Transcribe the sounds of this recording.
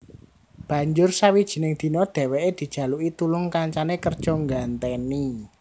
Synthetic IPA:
b̥ä̤ɲd͡ʒʊrsawid̥ʒ̥i̤nɪŋd̪̥i̤nɔd̪̥e̤wɛʔed̪̥i̤d̥ʒ̥ä̤luit̪ulʊŋkaɲt͡ʃanekərd̥ʒ̥ɔ̤ŋɡant̪ɛni

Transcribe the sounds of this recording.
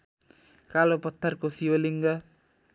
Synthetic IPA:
kalopət̪arkosiwəliŋɡa

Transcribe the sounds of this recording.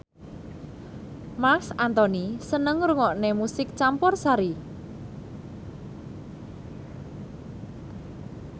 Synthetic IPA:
maksant̪ɔnisənəŋɾuŋɔʔnemusɪk̚t͡ʃampɔrsaɾi

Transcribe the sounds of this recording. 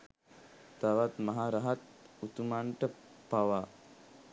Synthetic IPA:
t̪aʋat̪maɦaːɾaɦat̪̚ut̪umaɳʈəpaʋa

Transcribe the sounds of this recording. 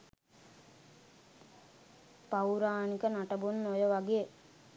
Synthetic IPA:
pawɾaːnikənaʈəbunːojəʋaɡejə

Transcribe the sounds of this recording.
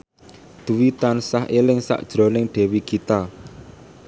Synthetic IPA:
d̪̥uwit̪ansaɦelɪŋsa̰ʔd̥ʒ̥ɾo̤nɪŋɖ̥ɛ̤wikit̪a

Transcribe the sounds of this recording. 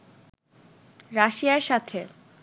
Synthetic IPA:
ɾaʃiaɾʃat̪ʰe

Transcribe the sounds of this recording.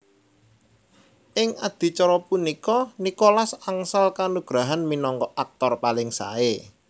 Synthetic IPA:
ʔɪŋad̪̥i̤t͡ʃɔɾɔpunikɔnikolasaŋsalkanuɡ̥ɾaɦanminɔŋkɔʔak̚t̪ɔrpalɪŋsa̰e

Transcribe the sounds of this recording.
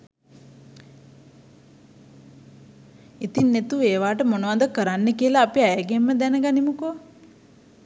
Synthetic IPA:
it̪inːet̪ueːʋaːʈəmonəʋad̪əkəɾanːekiəlaːpiajəɡemːəd̪ɛnəɡanimuko

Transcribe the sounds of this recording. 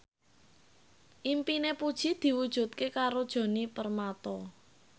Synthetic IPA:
ʔimpinepud̥ʒ̥i̤d̪̥i̤wud̥ʒ̥ṳt̪̚kekaɾod̥ʒ̥o̤nipərmat̪ɔ

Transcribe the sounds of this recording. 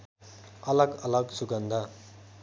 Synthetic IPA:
ʌlʌɡʌlʌɡsuɡʌnd̪ʱa

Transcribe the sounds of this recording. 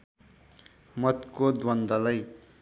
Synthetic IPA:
mʌt̪kod̪wʌnd̪ʌlʌj

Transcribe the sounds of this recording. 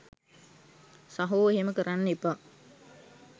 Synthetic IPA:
saɦoːeɦeməkəɾanːipa

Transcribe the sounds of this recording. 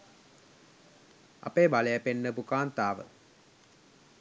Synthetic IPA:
a̰peːbaləjəpenːəpukaːnt̪aːʋə̰

